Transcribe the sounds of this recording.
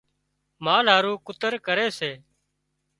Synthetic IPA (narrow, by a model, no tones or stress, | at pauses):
maːlɦaːɾuːkʊt̪əɾkəɾeːseː